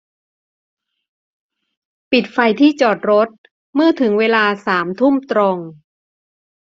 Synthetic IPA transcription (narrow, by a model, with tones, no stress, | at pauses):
pi˨˩t̪̚fa˧jt̪ʰiː˥˩t͡ɕɔː˨˩t̪̚ɾo˦˥t̪̚ | mɯ˥˩t̪ʰɯ˩˦ŋweː˧laː˧saː˩˦mt̪ʰu˥˩mt̪ɾo˧ŋ